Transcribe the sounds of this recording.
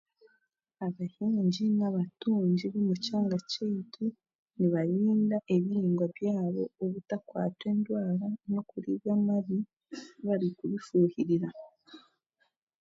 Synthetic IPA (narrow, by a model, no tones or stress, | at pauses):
aβahiːɲɟinaβatuːɲɟiβomucaːŋɡaceitʰu | niβaɾiːndaʔe̞βiɾiːŋɡwaβjaːβo̞̰ːβutakwa̰ːtwe̞ːndwaːlano̞kuɾiβamaβi | βaɾikuβifuːhiɾiɾa